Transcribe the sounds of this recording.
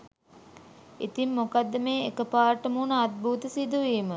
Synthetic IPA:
ḭt̪imːokad̪ːəmeːekəpaːɾʈəmuːnəad̪̚bʱuːt̪əsid̪uʋiːmə

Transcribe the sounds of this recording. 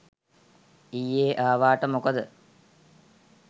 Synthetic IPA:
ijːeːʔaːʋaːʈəmokəd̪ə

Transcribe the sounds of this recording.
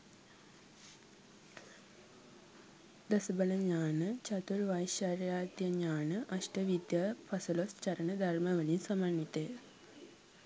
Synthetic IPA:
d̪əsəbələɲaːnət͡ʃɐt̪uɾʋajʃjaɾjaːt̪jəɲaːnəʔɐʃʈəʋid̪jaːpʰɐsulost͡ʃɐɾənəd̪ʱaɾmɐʋəlinsɐmanːit̪e

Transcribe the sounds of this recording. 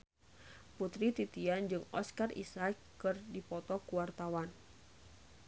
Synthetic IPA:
put̪ɾit̪it̪iand͡ʒɨŋɔskarʔḭsakː | ɨrdipɔt̪ɔkuwart̪awan

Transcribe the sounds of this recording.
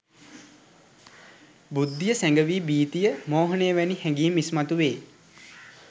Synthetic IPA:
bud̪ːijəsæŋɡəʋiːbiːt̪ijəmoːɦənəjəʋænihɛŋɡiimːismat̪uʋeː

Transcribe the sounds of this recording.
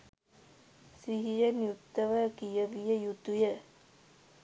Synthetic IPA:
siɦijənjut̪ːəʋəkijəʋijəjut̪ujə

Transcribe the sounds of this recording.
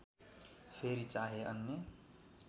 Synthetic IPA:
pʰeɾit͡saɦeʌnːe

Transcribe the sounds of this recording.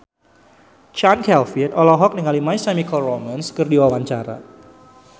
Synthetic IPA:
t͡ʃankɛlfit̪ɔlɔɦɔk̚nəŋalimajsɛmikɔrɔmanskərdiwawaɲt͡ʃaɾa̰

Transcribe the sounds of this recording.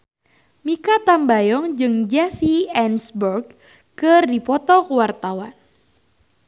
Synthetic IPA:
mikat̪ambajɔŋd͡ʒɨŋd͡ʒasiɛnsbɔrɡ | kɨrdipɔt̪ɔkəwart̪awan

